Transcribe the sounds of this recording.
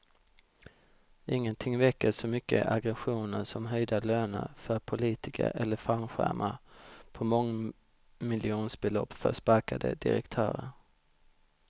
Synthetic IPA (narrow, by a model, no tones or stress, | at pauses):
ʔɪŋːənt̪ʰɪŋvɛkːəʂɔmʏkːəʔaɡɾɛɧuːnəɾsɔmɦœjd̪aløːnəɾfœɾpʰʊliːt̪ɪkʰə̰ɾɛlːəfanɧæ̰ɾmʔapʰɔmɔŋ | mɪlɪuːnsbɛlɔpːfœʂpaɾkad̪ə̰d̪ɪ̰ɾɛ̰kt̪ʰœːɾəɾ